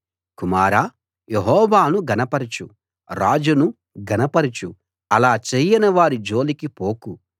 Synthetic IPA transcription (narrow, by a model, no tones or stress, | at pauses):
kumaːɾaː | jeɦɔːʋaːnuɡɐnɐpɐɾit͡ʃu | ɾa̰ːd͡ʒunu | ɡɐnɐpɐɾit͡ʃu | ɐlaːt͡ʃejɐnɐʋaːɾid͡ʒoːlikipoːku